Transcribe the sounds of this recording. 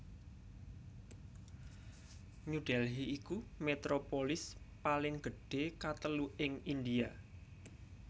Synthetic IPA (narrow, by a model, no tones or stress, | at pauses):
ɲuɖ̥ɛlɦiikumet̪ɾopolɪs | palɪŋɡ̥ə̤ɖ̥ekat̪əluɪŋind̪ia